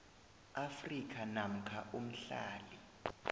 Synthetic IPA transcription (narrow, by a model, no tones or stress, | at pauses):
afrikʰanam̩kʰaʔum̩ɬa̰ːli